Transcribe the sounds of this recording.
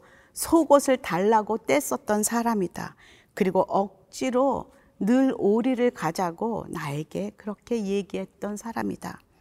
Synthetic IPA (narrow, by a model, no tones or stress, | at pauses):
sʰoɡosʰɯɭtaɭːaɡot͈es͈ʌt̚t͈ʌnsʰaɾamida̰ | kɯɾiɡoʔʌk̚t͡ɕ͈iɾo | nɯɾoɾiɾɯɭkad͡ʑaɡo̰nae̞ɡe̞kɯɾʌkʰe̞je̞ɡiɦe̞t̚t͈ʌnsʰaɾamḭd̥a̰